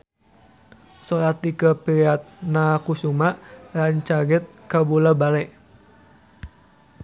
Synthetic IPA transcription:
sɔlat̪ikəpiɾiat̪̚nakusumaʔɾaɲt͡ʃaɡɛt̪̚kabulabalɛ

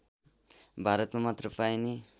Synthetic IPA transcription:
bʱaɾʌt̪mamʌt̪rʌpajni

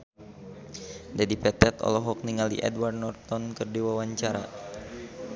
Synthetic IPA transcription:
dadipɛt̪ɛt̪ɔ̰lɔɦɔk̚niŋalḭʔɛ̰dwardnɔrt̪ɔnkɨrdiwawaɲt͡ʃaɾa̰

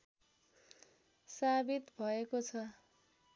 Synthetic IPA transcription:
sabit̪bʱʌekot͡sʰʌ

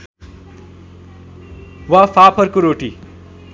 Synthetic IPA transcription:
wapʰapʰʌrkoɾoʈi

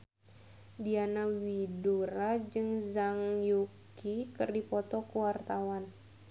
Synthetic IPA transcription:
dianawiduɾad͡ʒɨŋzaŋjuk | ikɨrdipɔt̪ɔkuwart̪awan

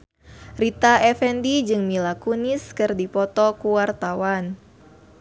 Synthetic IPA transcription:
rit̪aɛfɛndid͡ʒɨŋmilakunɪskɨrdipɔt̪ɔkuwart̪awan

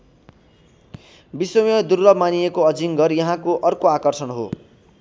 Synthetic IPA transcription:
biswʌmjʌd̪urːʌbmaniekoʌd͡ziŋɡʌrjʌɦãkoʔʌrkoakʌrsʌnɦo̰

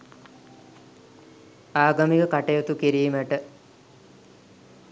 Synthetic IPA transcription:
aːɡɐmikəkaʈejot̪ukiɾiːməʈə

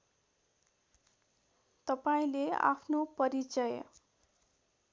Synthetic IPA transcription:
t̪ʌpaĩlea̰pʰnopʌɾit͡sʌj

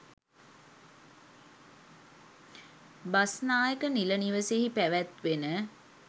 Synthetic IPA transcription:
basnaːjəkəniləniʋəseɦipæʋæt̪ʋenə

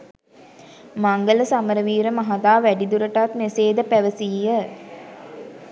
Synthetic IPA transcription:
maŋɡələsaməɾəʋiːɾəmaɦad̪aːʋæɖid̪uɾəʈat̪meseːd̪əpæʋəsiːə

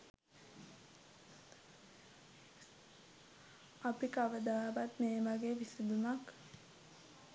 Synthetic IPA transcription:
apikaʋəd̪aːbat̪meːʋaɡeʋisid̪unak

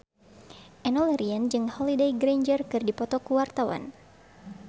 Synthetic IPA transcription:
ʔɛnɔlɛɾiand͡ʒɨŋhɔlidejɡɾeɲd͡ʒərkɨrdipɔt̪ɔkuwart̪awa̰n

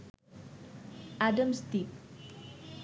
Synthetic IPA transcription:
ʔadə̃mst̪ip̚

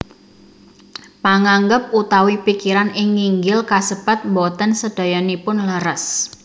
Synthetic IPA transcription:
paŋaŋɡəp̚ut̪awipikiɾanɪŋːiŋɡɪlkasəb̥at̪̚bɔt̪ənsəd̥a̤jɔnipʊnləɾəs

